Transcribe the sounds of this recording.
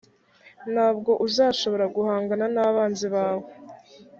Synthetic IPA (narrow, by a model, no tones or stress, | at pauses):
nhaːb̚ɡo̞ʔuzaːʃo̞βo̞ɾaɡuhaːŋɡananaːβaːnziβaːwo